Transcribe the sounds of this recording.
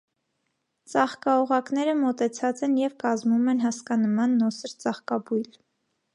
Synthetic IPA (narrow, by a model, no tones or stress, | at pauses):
t͡sɑχkɑɔʁɑknɛɾəmɔt̪ɛt͡sʰɑt͡sɛnjɛvkɑzmumɛnɦɑskɑnəmɑnːɔsəɾt͡sɑχkɑbujl